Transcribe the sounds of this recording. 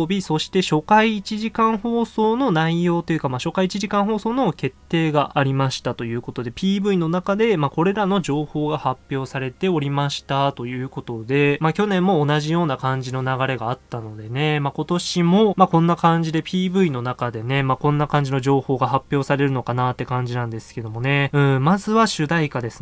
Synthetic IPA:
bʲiso̞ɕi̥t̪e̞ɕo̞kaiːt͡ɕiʑikãɰ̃ho̞ːso̞ːno̞naijo̞ːt̪ojɯ̟kamaɕo̞kait͡ɕiʑikãɰ̃ɦo̞ːso̞ːno̞ke̞t̪ːe̞ːɡaʔːɾʲimaɕi̥t̪at̪o̞jɯ̟ːko̞t̪o̞d̪e̞pʲiːbɯ̟ino̞nakad̪e̞mako̞ɾe̞ɾano̞ʑo̞ːho̞ːɡahapʲjo̞ːsaɾe̞t̪e̞o̞ɾʲimaɕi̥t̪at̪o̞jɯ̟ːko̞t̪o̞d̪e̞makʲo̞nẽ̞mːo̞ːnaʑijo̞ːnakãɲ̟d͡ʑino̞naɡaɾe̞ɡaːt̪ːano̞d̪e̞ne̞mako̞t̪o̞ɕimo̞makõ̞nːakãɲ̟d͡ʑid̪e̞pʲiːbɯ̟ino̞nakad̪e̞ne̞makõ̞nːakãɲ̟d͡ʑino̞ʑo̞ːho̞ːɡaɦapʲːjo̞ːsaɾe̞ɾɯ̟no̞kanat̪ːe̞kãɲ̟d͡ʑinãnd̪e̞sɨ̥ke̞d̪o̞mo̞ne̞ɯ̟̃ːmazɨβaɕɨd̪aikad̪e̞sɨ̥

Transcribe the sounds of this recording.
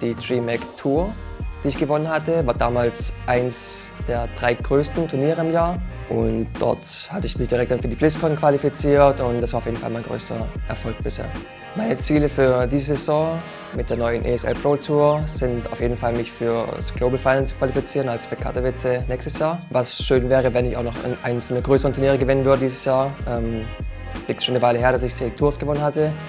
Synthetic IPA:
d̥iːtʁ̥iːmɛktʰuːɐ | d̥iːɪçɡ̥əvɔnənhatəvaːɐdaːmaːlsʔaɪnəsd̥eːɐd̥ʁaɪɡ̥ʁøːstn̩tʰʊɐniːʁəɪmjaːɐʔʊ̰ntd̥ɔ̰ɐthatəɪçmɪçd̥iʁɛk̚td̥anfyːɐdiːblɪskʰɔnkv̥alifit͡siːɐtʊntd̥asv̥aːɐʊfjeːdn̩fa̰lmaɪɡʁø̰ːstɐ̰ʔɛɐfɔlk̚b̥ɪshḛːɐ | maɪnət͡siːləfyːɐdiːzəzɛzɔ̃ː | mɪt̚d̥eːɐnɔʏənʔḛɛsʔɛ̰lpʁ̥oːltʰuːɐz̥ɪntaʊfjeːdn̩falmɪçfyːɐsɡ̥loːbl̩faɪnɛnt͡skʰv̥alifit͡siːʁənalsfyːɐkʰa̰ɐtavɪt͡sənɛːçstəsjaːɐvasʃøːnvɛːʁ̞əvɛnɪçaʊxnɔχnʔa̰ɪnənfyːɐnəɡʁøːsəʁəntʰʊɐniːʁ̞əɡəvɪnənvʏɐɾədiːzəsjaːɐʔɛːm | liːktsʃoːnəvaɪləɦeːɐɾasɪçd̥itʰʊɐsɡ̥əvɔnənhatə

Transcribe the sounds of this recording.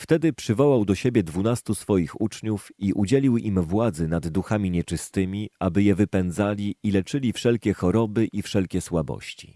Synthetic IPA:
ft̪ɛd̪ɘpʂɘvɔwawd̪ɔɕebʲjɛd̪vunast̪usfɔjixut͡ʂɲufiʔud͡ʑelʲiwimvwad̪zɛnad̪ːuxamʲiɲɛt͡ʂɘst̪ɘmʲiabɘjɛvɘpɛnd̪zalʲiilɛt͡ʂɘlʲifʂɛlkʲɛxɔɾɔbɘʔifʂɛlkʲɛswabɔ̰ɕt͡ɕi̥̰

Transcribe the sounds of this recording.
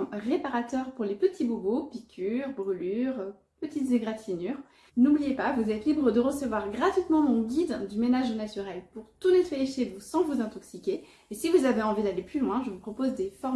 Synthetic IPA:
ʁepaʁat̪œʁpuʁlepət̪ʰibubopikʲʰyʁbʁylyʁ | pət̪it̪zeɡʁat̪inyʁ | nublijepavuzɛt̪libʁəd̪əʁəsəvwaʁɡʁat̪ɥit̪mɑ̃mɔ̃ɡʲid̪d̪ymenaʒnat̪yʁɛlpuʁt̪unɛt̪wajeʃevusɑ̃vuzɛ̃t̪ɔksikʲe | esivuzaveɑ̃vid̪aleplylwɛ̃ʒəvupχɔpozd̪efɔʁm

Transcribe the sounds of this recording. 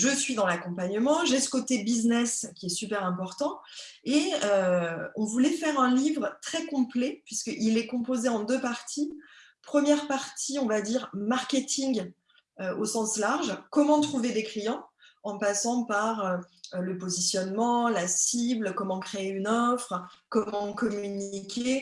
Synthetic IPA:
ʒəsɥid̪ɑ̃lakɔ̃paɲəmɑ̃ʒesə̥kot̪ebiznɛskʲiɛsypɛʁɛ̃pɔʁt̪ɑ̃ | eøɔ̃vulɛfɛʁɛ̃livʁt̪χɛkɔ̃plɛpɥiskəʔilɛkɔ̃pozeɑ̃d̪øpaʁt̪ʰi | pχəmjɛʁpaʁt̪ʰiɔ̃vad̪iʁmaʁkʲet̪ʰiŋɡ | øosɑ̃slaʁʒkɔmɑ̃t̪χuved̪eklijɑ̃ɑ̃pasɑ̃paʁø | ləpozisjɔnmɑ̃lasiblkɔmɑ̃kχeeynɔfχkɔmɑ̃kɔmynikʲe

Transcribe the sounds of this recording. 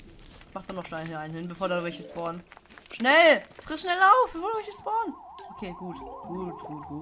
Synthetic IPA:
maχd̥anɔχʃnɛɪaɪn̩hɪnbəfoːɐdavɛçəsb̥ɔːɐnʃnɛlfʁ̥ɪtʃnɛlaʊfb̥əfoːɐduvɛçəsb̥ɔːɐnʔokʰeːɡ̥uːtɡ̥uːtɡ̥uːtɡ̥uː

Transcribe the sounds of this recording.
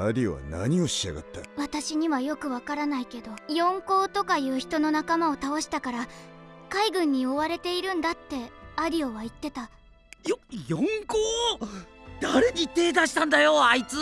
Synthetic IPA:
aɾʲio̰βa̰na̰ɲ̟io̞ɕia̰ɡa̰t̪ːaβat̪aɕiɲ̟iβajo̞kɯ̟βakaɾanaike̞d̪o̞jõ̞ŋko̞ːt̪o̞kajɯ̟ːçi̥t̪o̞no̞nakamao̞t̪ao̞ɕi̥t̪akaɾakaiɡɯ̟̃ɲ̟ːio̞βaɾe̞t̪e̞iɾɯ̟̃nd̪at̪ːe̞aɾʲio̞βait̪ːe̞t̪a | jojõŋkoː | d̪̥aɾe̞ɲit̪ːe̞ːt̪aɕi̥t̪ãnd̪ajoait͡sɨ

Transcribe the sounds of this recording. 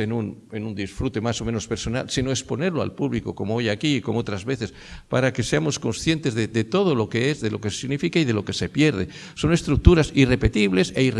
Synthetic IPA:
enunenund̪isfɾut̪e̞maso̞mẽno̞speɾso̞na̰lsinoekspo̞ne̞ɾloa̰lpuβlikoko̞moojakiːkomoot̪ɾazβe̞θes | paɾake̞seamo̞sko̞nsθje̞nt̪e̞zðed̪et̪o̞ð̞olo̞keezðe̞lo̞kesiɣnifikaið̞e̞lo̞ke̞se̞pjeɾð̞e | so̞ne̞st̪ɾuk̚t̪uɾasire̞pe̞t̪iβlese̞ir

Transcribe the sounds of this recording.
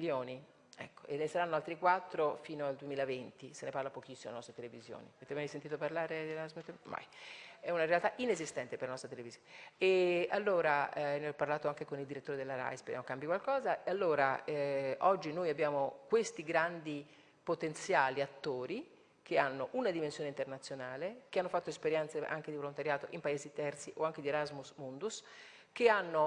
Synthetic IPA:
ljoːni | ɛ̰kːoenːesaɾanːoalt̪ɾikwat̪ːɾofiːnoald̪uemiːlavent̪iseneparlapok̟isːimolenɔst̪ɾet̪elevizjo̰ːnḭaveːt̪emajsent̪it̪oparlaːɾed̪elazmet̪ːma̰jɛunaɾealt̪aʔinezist̪ɛnt̪epeɾlanɔst̪ɾat̪̬elevizjoneealːoːɾaneɔpːarlaːt̪oaŋkekonild̪iɾet̪ːoːɾed̪elaɾa̰jspedjamokambjikwalkɔːzaealːoːɾaɛʔɔd͡ʒːinojabːjaːmokwest̪iɡɾand̪i | pot̪ent̪sjaːliat̪ːoːɾi | kʰeanːoʔunad̪imensjoːneint̪ernat̪sːjonaːlekeanːofat̪ːoespeɾjɛnt̪seʔa̰ŋk̟ed̪ivolont̪aɾjaːt̪oʔimpaeːzit̪ɛrt̪siʔoaŋked̪ieɾazmusmund̪us | k̟eanːo

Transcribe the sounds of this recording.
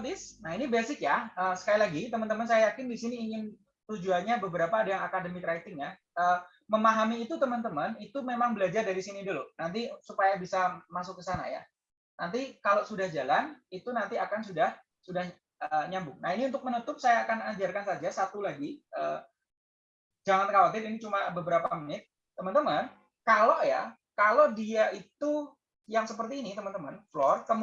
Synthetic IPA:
t̪ɪsnaɦinibesɪkjaəːsə̥kailaɡit̪əmənt̪əmənsajajakɪndisiniːŋɪn | t̪ud͡ʒuanɲabəbəɾapaːdajaŋakadəmikɾait̪ɪŋja | ʔəː | məmaɦamiːt̪ut̪əmənt̪əmənit̪umemaŋbəlad͡ʒardaɾisinidulonant̪isupajabisamasʊkːəsana̰ja̰ | nant̪̬ikalosudahd͡ʒalanit̪unant̪iakansudah | sudah | ʔəɲambʊŋnainiunt̪ʊk̚mənut̪ʊp̚sajaːkanad͡ʒarkansad͡ʒasat̪ulaɡiʔə | d͡ʒaŋant̪əkawat̪ɪrinit͡ʃumabəbəɾapamənɪt̪̚ːəmənt̪əmən | kaloja̰ | kalodiaʔit̪u | jaŋsəpərt̪iːnit̪əmənt̪əmə̰nflɔrkəm

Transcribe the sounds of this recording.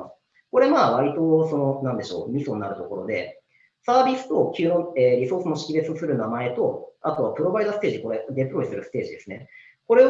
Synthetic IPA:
ko̞ɾe̞maːβ̞aɾʲit̪o̞so̞no̞nãnd̪e̞ɕo̞ːmʲiso̞nːaɾɯ̟t̪o̞ko̞ɾo̞d̪e̞̰ | saːbʲisɨ̥t̪o̞kʲɯːno̞eːɾʲiso̞ːsɨmo̞ɕi̥kʲibe̞t͡sɨsɨɾɯ̟namae̞t̪o̞atɯβapɯ̟ɾo̞baid̪asɨ̥t̪e̞ːʑiiko̞ɾe̞d̪e̞pɯ̟ɾo̞isɨɾɯ̟sɨ̥t̪e̞ːʑid̪e̞sɨne̞ | ko̞ɾe̞

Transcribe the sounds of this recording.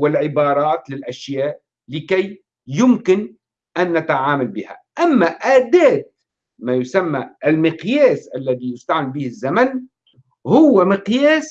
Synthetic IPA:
wɪlʕɪbɑːɾˤɑːt̪lɪlʔaʃjaːʔ | lɪkaj | jʊmkɪn | ʔanːat̪aʕaːmalbɪːha̰ʔamːaʔaːd̪aːt̪̚ | majʊsamːaɪlmɪqjeːsʔalːaðijʊst̪aʕmɪlbiːhɪzːaman | hʊwːamɪqjeːs

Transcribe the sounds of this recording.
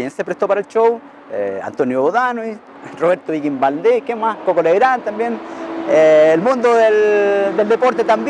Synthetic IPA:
jensepɾest̪opaɾaelt͡ʃow | ḛa̰nt̪onjoβoðanwis | roβeɾt̪oβikimbald̪ekemaskokoleβɾant̪ambjeneːlmũnd̪oðeld̪eld̪epoɾt̪et̪amb

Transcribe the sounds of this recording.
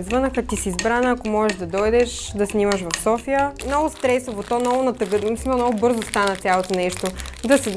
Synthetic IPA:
zvɤnəxət̪isizbɾanəːkomɔʒɛʃd̪ɐd̪ɔjd̪ɛʃd̪ɐsnimɐʃvɐfsɔfijənnɔɡʊst̪ɾɛsovot̪ɔnɔɡʊnɐt̪ɐɡəmisinonɔɡʊbɤɾzost̪anət̪sʲjalˠot̪onɛʃt̪od̪ɐsɛ

